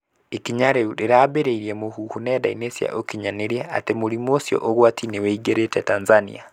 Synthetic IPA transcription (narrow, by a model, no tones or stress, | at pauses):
ekiɲaɾeuɾiɾabeɾeiɾjɛmohuhunɛda̰inesia̰ʔokiɲaneɾjaa̰temoɾimosjɔ̰ʔoɣwatʰineweiɡeɾetɛtanzanḭa